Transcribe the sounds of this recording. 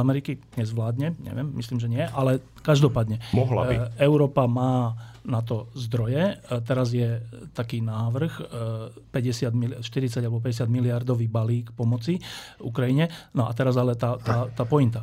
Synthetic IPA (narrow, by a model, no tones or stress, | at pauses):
amɛɾikiɲɛzʋlaːd̪ɲɛɲɛ̰ʋjɛmːisliːmʒɛɲɪɛʔalɛ | kaʒd̪ɔpaːd̪ɲɛmɔɦla̰ḭɛʊɾɔːpamaːnat̪̬ɔzd̪ɾɔjɛt̪ɛɾazjɛt̪akiːnaːʋr̩x | pɛɟɛsɪad̪milʃt̪iɾit͡saɟalɛbɔpɛɟɛs̬jad̪miliaɾd̪ɔʋiːbaliːkpɔmɔt͡siṵkɾajiɲɛnɔʔat̪ɛɾazalɛt̪aːt̪aːt̪aːpɔint̪a